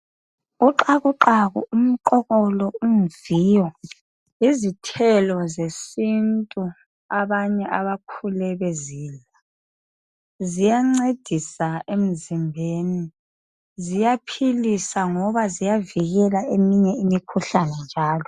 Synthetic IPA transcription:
uǃaɣuǃaɣṵum̩ǃɔɣɔlɔum̩viːjɔ | izitʰɛlɔzesintʼu | aβaɲɛʔaβakʰulɛβɛziːla | zijaŋ͡ǀed̥ʱisaem̩zimbʱeni | zijapʰilisaŋɔβazijaviɣɛlaemiɲɛimikʰuɬanɛnd͡ʒʱaːlɔ

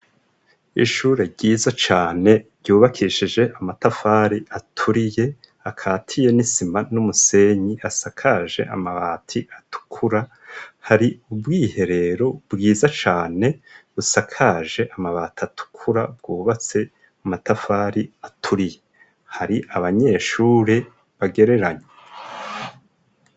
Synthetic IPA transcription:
ḭʃuːɾe̞ɟiːzat͡ʃaːne̞ɾɟuːβakʰiʃid͡ʒe̞ʔamatafaːɾiʔatʰuɾije̞ | akʰaːtʰije̞nisimanumuse̞ɲiʔasakʰaːʒe̞̰ʔa̰maβaːtʰiʔatu̥kʰuɾa | haɾiubɡiːhe̞ɾe̞ɾo̞bɡiːzat͡ʃaːne̞βusakʰaːʒe̞ʔamaβaːtatʰu̥kʰuɾa̰bɡuːβat͡se̞ | amatafaːɾiatʰuɾije̞ | haɾiʔaβaɲe̞ːʃuːɾe | βaɡe̞ɾe̞ɾaɲe

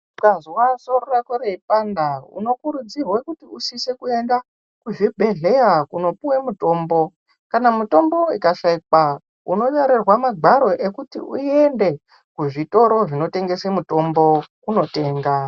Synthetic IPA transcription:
ukaziwasororakoɾeipandaṵno̞kuɾud͡zirwekutiusise̞kue̞nda | kuʐibʱe̞ɮe̞jakuno̞puwemuto̞ːmbo̞ | kanamuto̞mbo̞ikaʃaikwa | uno̞jaɾerwamaɡʱaɾo̞ʔe̞kutḭʔṵie̞nde̞ | kuʐito̞ɾo̞ʐino̞te̞ŋɡe̞semuto̞mbo̞kuno̞te̞ːŋɡa

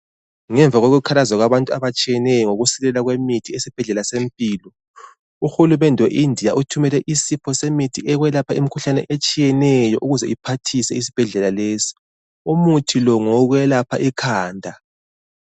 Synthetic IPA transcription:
ŋɛɱvʱaɣoɣukʰalazaɣwaβantʼuaβat͡ʃʼijɛnɛjɔŋoɣusilɛlaɣwemitʰiesib̥ʱɛɮɛlasempʼiːlɔ | uxulumɛndʱɛwḛʔindʱijaʔutʰumɛlɛʔisipʰɔsemitʰiʔɛɣwɛlapʰaimikʰuɬanɛ̰ʔet͡ʃʼijɛnɛjɔʔuɣuzɛ̰ʔipʰatʰisɛis̬i̥b̥ʱɛɮɛlaleːsi̥ | umutʰilɔŋɔɣwɛlapʰaʔikʰaːndʱa

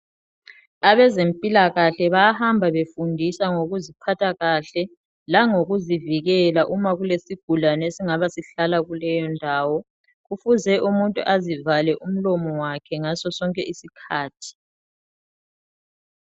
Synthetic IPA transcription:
aβɛzempʼilaɣaɬɛβaahambʱaβefundʱisaŋoɣuzipʰatʰʼaɣaɬɛ | laŋoɣuziviɣɛlaʔumaɣulesiɡ̥ʱulanesiŋaβasiɬalaɣulɛjɔndʱaːwɔ | ɣufuzɛʔumuntʼṵʔazivalɛʔum̩lɔmɔwakʰɛŋasɔsɔŋkʼɛʔisikʰaːtʰi̥

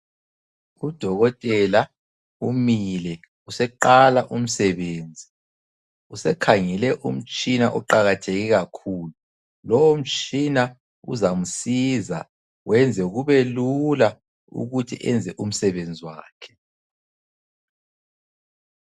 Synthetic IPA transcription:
ud̥ʱɔɣɔtʼɛla | umilɛ | usɛǃalaʔum̩sɛβeːnd͡zʱi | usɛkʰaŋɛlɛʔum̩t͡ʃʼinaʔɔǃaɣatʰeɣiɣakʰuːlu | lɔwom̩t͡ʃʼina | ṵzam̩siːza̰ | wɛnd͡zʱɛuɣuβɛlula | ṵɣutʰiʔɛnd͡zʱɛʔum̩sɛβend͡zʱiwaːkʰɛ̥

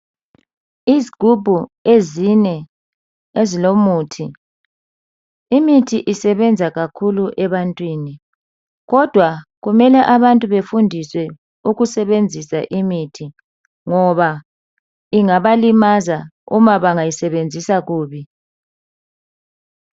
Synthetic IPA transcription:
iziɡ̥ʱub̥ʱuezinɛ | ezilomuːtʰi | imitʰiʔisɛβɛnd͡zʱaɣakʰuluʔɛβantʼwiːni | ɣɔd̥ʱwaɣumɛlɛʔaβantʼuβefundʱiswɛ | uɣusɛβend͡zʱisa̰ʔimitʰi | ŋɔβa | iŋaβalimazaṵmaβaŋajisɛβend͡zʱisaɣuːβi

